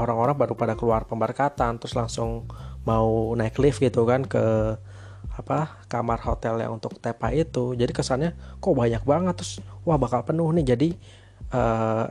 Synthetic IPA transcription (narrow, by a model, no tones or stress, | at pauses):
oɾaŋoɾaŋpadupadakəluarpəmbərkat̪ant̪ɾʊslaŋsʊŋmaunaɪklɪfɡit̪ukankə | apa | kamarhot̪ɛlja̰ŋunt̪ʊk̚t̪epait̪ud͡ʒadikəsalɲakobaɲak̚baŋət̪ːɾʊswahbakalpənʊhnɪhd͡ʒadi | ʔə